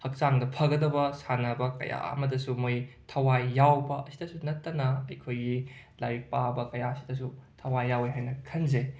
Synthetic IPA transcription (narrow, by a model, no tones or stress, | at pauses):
hɐk̚saŋdɐpʰɐɡɐdɐbɐsanɐbɐkɐ̰ja̰ɐ̰mɐdɐsumojtʰɐwajːawbɐɐsidɐsunɐtːɐnɐːjkʰojɡi | lajik̚pabɐkɐjaɐsi̥dɐs̬utʰɐwajːaweɦajnɐkʰɐnze